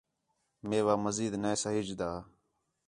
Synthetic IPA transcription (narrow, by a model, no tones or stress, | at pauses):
meːʋaːməziːd̪neːsaɦɪd͡ʒd̪aː